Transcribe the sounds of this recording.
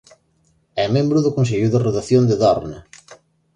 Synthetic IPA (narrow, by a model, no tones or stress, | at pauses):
ɛmẽmbɾʊðʊkonseʎʊðɪroðaθjond̪ɪðɔɾnḛ